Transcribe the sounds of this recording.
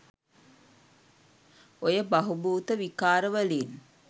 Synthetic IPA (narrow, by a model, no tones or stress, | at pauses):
ojəbɐɦubuːt̪əʋikaːɾəʋəliːn